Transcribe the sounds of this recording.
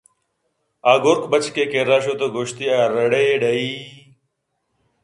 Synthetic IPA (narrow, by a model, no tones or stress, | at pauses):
aːɡoɾkbət͡ʃkeːkeːɾaːʃ̬oːt̪oːɡoːʃt̪iːaːɾəɽeːɖəiː